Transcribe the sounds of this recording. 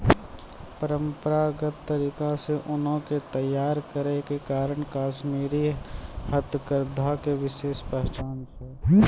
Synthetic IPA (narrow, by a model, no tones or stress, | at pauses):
pəɾə̃mpəɾaɡət̪ːəɾiːkaseʔʊnõket̪əjaːɾkəɾekekaːɾəɳkaːʃmiːɾihət̪əkəɾd̪ʱakeʋɪʃeːʃpɛɦt͡ʃaːnt͡ʃʰɛ